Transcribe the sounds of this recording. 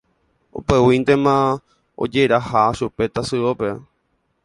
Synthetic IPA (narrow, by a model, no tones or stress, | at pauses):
o̰pewint̪e̞mã | o̰d͡ʒeɾahaʃupe̞t̪asɨope